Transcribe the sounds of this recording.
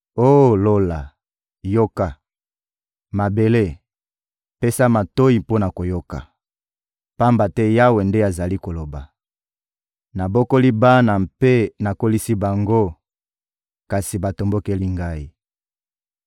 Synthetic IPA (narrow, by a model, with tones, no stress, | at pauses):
o˦˨lo˦la˨ | jo˦ka˨ | ma˨be˨le˦ | pe˦sa˦ma˨to˦i˨po˦na˨ko˨jo˦ka̰˨ | pa˦mba˨tɛ˦ja˦we˨nde˦a˨za˨li˦ko˨lo˨ba˨ | na˨bo˦ko˦li˦ba˦na˨mpe˦na˨ko˦li˦si˦ba˨ŋɡo˦ | ka˨si˨ba˨to˨mbo˦ke˦li˦ŋɡa˦i˦